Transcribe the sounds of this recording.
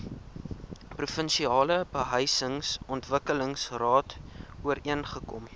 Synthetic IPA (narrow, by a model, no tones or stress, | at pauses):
prufənʃiɑːləbəɦœjsəŋsɔntvəkələŋsrɑːtuəɾiənχəkɔ̰m